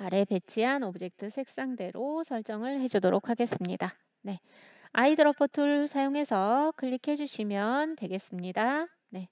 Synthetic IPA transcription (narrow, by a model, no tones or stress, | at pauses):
aɾe̞pe̞t͡ɕʰiɦanobɯd͡ʑe̞k̚tʰɯsʰe̞k̚s͈aŋde̞ɾʔosʰʌɭt͡ɕ͈ʌŋɯɭɦe̞d͡ʑudoɾok̚ʰaɡe̞s͈ɯmɲida | ne̞ | aidɯɾʌpʰotʰuɭsʰajoŋe̞sʰʌkɯʎːikʰe̞d͡ʑuɕʰimjʌntwe̞ɡe̞s͈ɯmɲida | ne̞